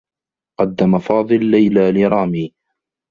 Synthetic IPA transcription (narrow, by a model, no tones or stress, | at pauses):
qɑd̪ːamafɑːd̪ˤɨlːajlaːlɪɾˤɑːmiː